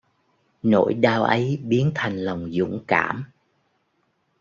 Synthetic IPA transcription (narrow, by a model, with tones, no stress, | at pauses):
no̰˧˩˥jɗaː˧wʔə˨˦jɓi˨˦ənt̪ʰa˨˩jŋ̟lə˨˩wŋ͡mzʊ̰˧˥ŋ͡mkaː˧˩m